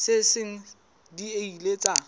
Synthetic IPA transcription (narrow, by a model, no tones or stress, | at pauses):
sɪsɪŋ̩ | dieilet͡sʼa